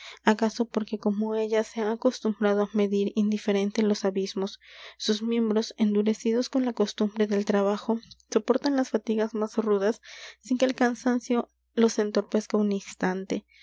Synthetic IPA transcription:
akaso̞po̞ɾke̞ko̞mo̞e̞ʝaseaːko̞st̪umbɾað̞oame̞ðiɾind̪ife̞ɾe̞nt̪e̞lo̞saβizmo̞sːuzmje̞mbɾo̞se̞nd̪uɾe̞sið̞o̞sko̞nlakost̪umbɾe̞ðe̞lt̪ɾaβaxo̞so̞po̞ɾt̪anlasfat̪iɣazmasruðasːiŋke̞ːlkansansjo̞ | lo̞se̞nt̪o̞ɾpe̞skauninst̪ant̪e̞

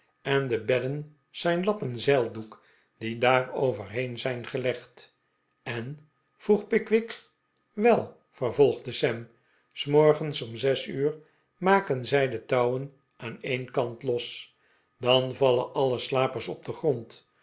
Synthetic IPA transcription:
ɛndəbɛdən | z̥ɛjnlɑpənzɛlˠduk | d̥idaːrowvərɦenzɛjnχəlɛχt | ɛn | v̥ruχpɪkʋɪk | ʋɛlˠ | fərvɔlˠχdəsɛm | smɔɹχənsɔmzɛsyːr | maːkənzɛjdətɑwən | ʔaːnejnkɑntlɔs | dɑnvɑləʔɑləslaːpəɹsɔp̚dəχront

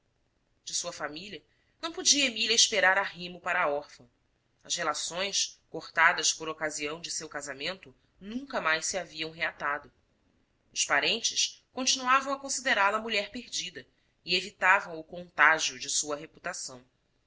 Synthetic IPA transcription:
d͡ʒɪsuɐfamiliɐ | nɐ̃w̃pod͡ʒiɐemilʲjɐiʃpeɾaɾaɦĩmʊpaɾɐaɔɾfɐ̃ | ɐshelasõj̃skoχt̪ad̪ɐspoɾokaziɐ̃w̃d͡ʒɪsewkazamẽnt̪ʊ | nũŋkɐmajʃsiaviɐ̃w̃ɦeat̪ad̪ʊ | ʊspaɾẽnt͡ʃɪskõnt͡ʃinuavɐ̃w̃ɐkõsid̪eɾalɐmuʎɛɾpeɾd͡ʒid̪ɐ | ɪevit̪avɐ̃w̃ʊkõnt̪aʒiʊd͡ʒɪsuɐɦeput̪asɐ̃w̃

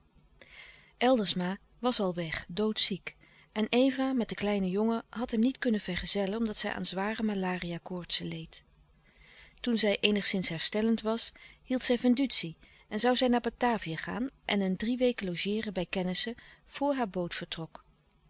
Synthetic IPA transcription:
ʔɛlˠdəɹsmaː | ʋɑsɑlˠʋɛχdowtsik | ʔɛnejvamɛt̚dəklɛjnəjoŋəɦɑtɦɛmnitkɵnəvɛɹχəzɛlənɔmdɑtsɛjʔa̰ːnzʋaːrəmalaːrijaːkʊːɹtsəlejt | tunzɛjʔejnəχsɪnsɦɛɹstɛləntʋɑshilˠtsɛjvɛndytsi | ɛnzɑwzɛjnaːbataːvijaχa̰ːnʔɛnəndriʋejkəlowʒɪːrənbɛjkɛnɪsəv̥ʊːɹɦaːɹbowtfəɹtrɔk

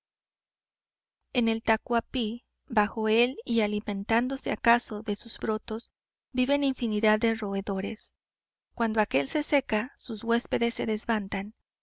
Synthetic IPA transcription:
e̞ne̞lt̪akwapi | baxo̞e̞lialimẽnt̪and̪o̞se̞akaso̞ðe̞suz̥bɾo̞t̪o̞z̥ | biβe̞niɱfiniðaðero̞e̞ðo̞ɾe̞s | kwand̪oake̞lse̞se̞kasuzɣwe̞spe̞ðe̞sːe̞ðe̞zβant̪an

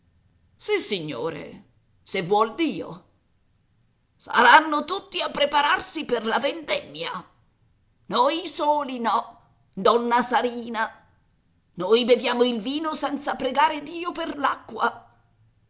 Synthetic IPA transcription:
sisiɲːo̰ːɾḛ | sevwɔld̪iːo̰ | sa̰ɾanːot̪ut̪ːiapːɾepaɾarsiperlavend̪ɛmːja | nojsoːlinɔ | d̪ɔnːasaɾiːna | nojbevjaːmoilviːnosɛnt̪sapɾeɡaːɾed̪iːoperlakːwa̰

